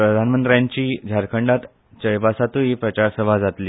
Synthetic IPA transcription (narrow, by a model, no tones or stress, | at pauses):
pɾəd̪ʱanmənt̪ɾjaɲt͡ɕiːd͡ʑʱaɾkʰəɳɖat̪ | t͡ɕəjbasat̪ũɦiːpɾət͡ɕaɾsəʋʱad͡zat̪liː